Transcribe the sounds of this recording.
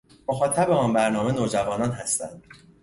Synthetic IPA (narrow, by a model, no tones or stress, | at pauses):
moxɒːt̪ʰæbeɒːnbæɾnɒːme̞noːd͡ʒævɒːnɒːnɦæst̪æ̰nd̪̥̚